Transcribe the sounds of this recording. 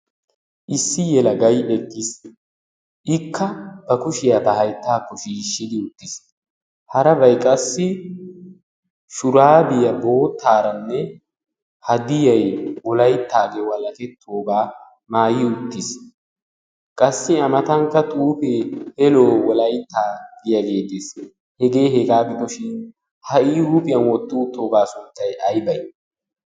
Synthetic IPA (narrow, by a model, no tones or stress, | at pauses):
ʔɪsːɪjɛlɐɡɐjɛɡːis | ʔɪkʰːɐbɐkʊʃɪjat̪ɐhɐjt̪ːaːkːɔʃiːʃːɪd̪ɪʊt̪ːɪs | hɐɾɐbɐjkʼɐsːɪ | ʃʊɾaːbɪjɐbo̞ːt̪ːaːɾɐnːɛ | hɐd̪ɪjɐjwɔlɐjt̪ːaːɡeːwɐlɐkɛt̪ʰːoːɡaː | maːjɪʊt̪ːɪs | kʼɐsːɪɐmɐt̪ɐŋkːɐt̪ʼuːfeːhɛloːwɔlɐjt̪ːaːɡ̥ɪjɐɡe̞ːt̪ːeːs | hɛɡe̞ːhɛɡaːbɪd̪ɔʃɪn | hɐʔiːhʊpʼɪjɐnwɔt̪ːut̪ːoːɡaːsʊnt̪ːɐjʔɐjbɐj